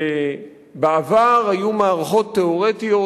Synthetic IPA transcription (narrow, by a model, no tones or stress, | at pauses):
e | beavaʁajumaːʁaχo̞t̪ːeoʁet̪ijo̞